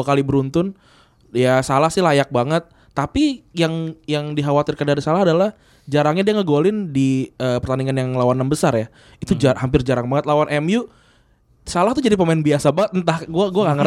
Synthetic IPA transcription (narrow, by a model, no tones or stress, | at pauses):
akalibəɾunt̪ʊn | jasalahsɪlajak̚baŋət̪̚ːapijaŋjaŋdiɦawat̪ɪrkandaɾisalaɦadalah | d͡ʒaɾaŋɲadiaŋəɡolɪndiəːpərt̪aniŋanjaŋlawananbəsarja | it̪ud͡ʒaɦampɪrd͡ʒaɾaŋbaŋət̪̚lawanʔɛmju | salaht̪ud͡ʒadipəmaɪnbiasabaŋət̪̚nt̪ahɡuaɡuaŋaŋə